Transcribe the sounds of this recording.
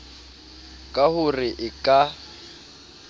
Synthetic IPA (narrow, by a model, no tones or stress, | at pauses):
kʼahʊrɪʔɪkʼa